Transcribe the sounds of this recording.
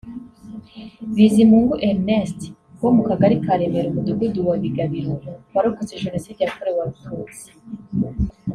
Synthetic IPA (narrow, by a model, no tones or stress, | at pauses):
βizimuːŋɡuʔemnest | womukaɡaɾikaɾe̞meɾomud̪uɡuduwaβiɡaβiɾoβaɾokut͡seʒenosiːd̪ijakoɾewaɾutʰuzi̥